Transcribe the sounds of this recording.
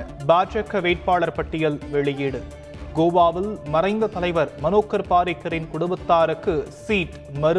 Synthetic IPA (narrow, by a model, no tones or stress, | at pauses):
baːɾt͡ʃɐkːɐʋeːʈ̚paːɭɐɾpɐʈːɪjɐlʋɛɭɪjɪɽɯ | ɡoːʋaːʋɪlmɐrɐɪnd̪ɐt̪ɐlɐɪʋɐɾmɐnoːkːɐɾpaːɾɪkːɐɾɪnkʊɽɯʋɐt̪ːaːɾɯkːɯsiːʈ | mɐɾɯ